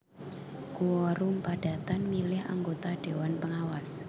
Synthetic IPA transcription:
kuwɔɾumpaɖ̥a̤t̪anmilɪha̰ŋɡot̪aɖ̥e̤wanpəŋawas

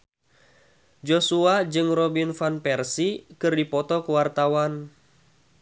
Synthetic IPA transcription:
d͡ʒɔsuad͡ʒɨŋrɔbinfanpɛrsikɨrdipɔt̪ɔkuwart̪awan

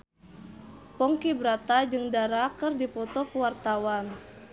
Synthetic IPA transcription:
pɔŋkibɾat̪ad͡ʒɨŋdaɾakɨrdipɔt̪ɔkəwart̪awan

